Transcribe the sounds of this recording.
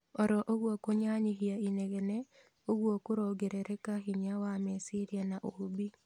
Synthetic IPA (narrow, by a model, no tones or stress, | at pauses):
ɔɾɔʔoɣwokoɲaɲiɦiainɛɣɛnɛ | oɣwokoɾɔɡeɾɛɾɛkaɦiɲawamɛsiɾjanaʔohobi